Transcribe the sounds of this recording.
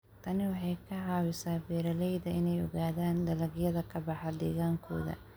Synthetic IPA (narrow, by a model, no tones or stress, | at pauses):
t̪ʰɐnɪwɑħɑjkʰɐʕɑːwɪsaːbɛːɾɐlɛjðɐɪnɛjɔɣaːðaːnd̪ɐlɐɣjɐðɐkʰɐbɑħɐd̪ɛ̰ːɣaːŋkʰɔ̰ːðɐ̰